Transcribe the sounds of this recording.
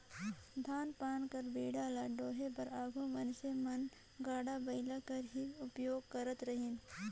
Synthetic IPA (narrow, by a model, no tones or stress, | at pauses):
d̪ʱaːnpaːnkɐɾbeːɽaːlaɖoːɦepɐɾaːɡʱõmɐnʃemɐn | ɡaːɽabɐɪlakɐɾɦiʊpjoːɡ̚kɐɾət̪ɾɐɦɪn